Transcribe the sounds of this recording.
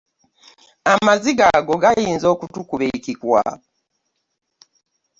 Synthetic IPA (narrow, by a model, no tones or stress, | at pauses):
amaziɡaɡo̞ɡajiːnzo̞ːkutukuβekikwa̰